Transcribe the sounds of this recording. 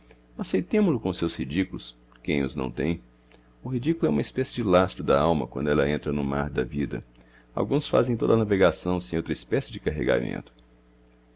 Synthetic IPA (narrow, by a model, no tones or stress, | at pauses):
asejt̪ẽmʊlʊkõʊsewshid͡ʒikulʊs | kẽj̃ʊ̰znɐ̰̃w̃t̪ẽj̃ | ʊɦid͡ʒikulʊɛũmɐispɛsɪd͡ʒɪlast̪ɾʊd̪ɐawmɐ̰kwɐ̰̃nd̪ʊɛlɐẽnt̪ɾɐnʊmaɾd̪ɐvid̪ɐ̰ | a̰wɡũsfa̰zẽj̃t̪o̰d̪ɐanaveɡasɐ̃w̃sẽj̃owt̪ɾɐispɛsɪd͡ʒɪkaɦḛɡa̰mḛ̃nt̪ʊ̥